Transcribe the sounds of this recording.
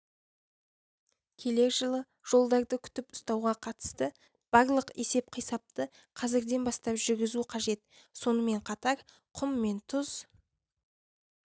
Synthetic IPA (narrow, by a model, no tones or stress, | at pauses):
kʲʰe̞le̞kʒəlˠə | ʒ̥o̞lˠd̪ɑɾd̪əkʲʰʏ̥t̪ɪpʊst̪ɑwʁɑqʰɑt̪ə̥st̪ə | b̥ɑɾlˠəqe̞se̞p̚qʰəjsɑp̚t̪ə | qʰɑzɪɾd̪e̞nbɑst̪ɑpʒʏɾɡʲɪzuqʰɑʒe̞t̪ | so̞nəme̞ɴqʰɑt̪ɑɾ | qʰʊmːe̞nt̪ʰʊz